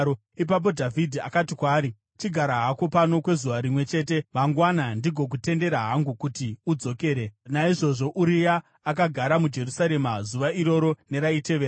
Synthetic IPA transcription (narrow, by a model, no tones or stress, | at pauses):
o | ip̬ap̬o̞dʱavʱidʱia̰katikwaːɾi | t͡ʃiɡʱaɾaɦako̞pano̞kwe̞zuʋaɾimwe̞t͡ʃe̞ːteʋaŋɡwanandiɡʱo̞k̬ute̞nde̞ɾaɦaŋɡukutiud͡zo̞ke̞ːɾe̞naiʐo̞ʐo̞ʔuɾijaː | k̬aɡʱaɾamud͡ʒe̞ɾusaɾe̞mazuʋaiɾo̞ɾo̞ne̞ɾaite̞ʋeːɾa